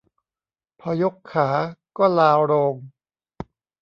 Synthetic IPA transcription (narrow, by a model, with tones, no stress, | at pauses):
pʰɔː˧jo˦˥kʰːaː˩˦kɔː˥˩laː˧wɾoː˧m